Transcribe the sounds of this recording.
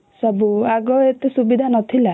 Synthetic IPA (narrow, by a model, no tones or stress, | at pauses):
sɔbuaɡɔet̪esubid̪ʱanɔt̪ʰila